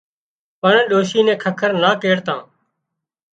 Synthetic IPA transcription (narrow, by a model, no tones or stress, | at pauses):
pəɳːɗoːʃiːnɛ̃ːkʰəkʰəɾnaːkeːɽt̪ãː